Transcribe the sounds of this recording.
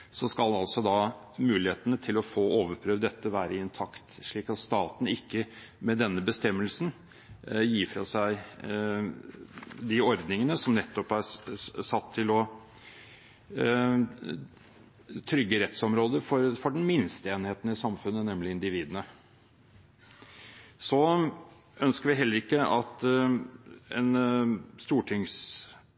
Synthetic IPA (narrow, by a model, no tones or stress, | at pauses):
sɔskɑlɑlsɔd̪ɑ | mʉːlɪheːt̪ənət̪ʰɪlɔfoːoːʋəɾpʰɾøːʋd̪ɛt̪ːəʋæːɾəɪnt̪ʰɑkt̪ʂɭiːkɑt̪st̪ɑːt̪n̩ɪkːə | mɛd̪ɛnːəbəst̪ɛmːəlsn | jiːfɾɑsæɪ | d̪ɪɔɾd̪nɪŋənəsɔmnɛt̪ːɔpæɾsɑt̪ʰːɪlɔ | t̪ʰɾʏɡːəɾɛt̪sɔmɾoːd̪əɾfɔɾfɔɖɛnmɪnst̪əeːnheːt̪nəɪsɑmfʉnːənɛmlɪɪnd̪ɪʋiːd̪ənə | sɔ | œnskəɾʋɪɦɛlːəɾɪkːəʔɑt̪ | enst̪uːʈʰɪŋs